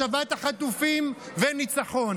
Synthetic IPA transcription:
avat̪aχat̪ufim | venit͡saχo̞n

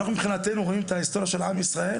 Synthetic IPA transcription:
naχnumibχinat̪enuʁoimet̪aist̪o̞ʁjaʃe̞lamisʁae

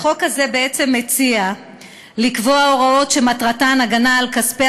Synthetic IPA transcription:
χo̞khaze̞beet͡se̞mːet͡sia | likvo̞ao̞ʁao̞tʃe̞matʁatanaɡanaːlkaspe

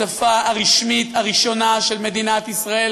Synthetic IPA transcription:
afaːʁiʃmit̪aʁiʃo̞naʃe̞lme̞d̪inat̪isʁael

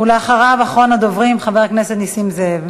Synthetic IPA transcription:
uleaχaʁavaχʁonad̪ovʁimχaveʁkneset̪nisimzev

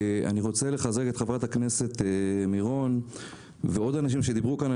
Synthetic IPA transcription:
a̰niʁo̞t͡se̞leχazeke̞t̪χavʁat̪hakne̞se̞t̪miʁo̞n | veo̞d̪anaʃ̬imʃed̪ibʁukana

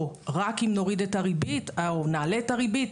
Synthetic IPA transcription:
ʁakimno̞ʁidetaʁibitaonaːleːtaʁibit

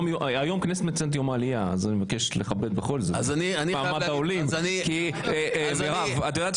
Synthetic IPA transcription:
mjoajo̞mknes̬et̪met͡sent̪jomalijaazanimevake̞ʃleχabe̞d̪̚beχo̞lzeazanianipaːmad̪aolimnki | meʁavat̪ajodat̪

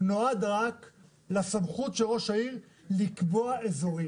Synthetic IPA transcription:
noad̪ʁak | lasamχutʃelʁo̞ʃaiʁ | likboaezoʁi

